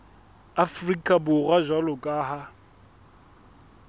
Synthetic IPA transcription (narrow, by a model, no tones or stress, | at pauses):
afrikʼabʊraʒwalʊkʼaːɦa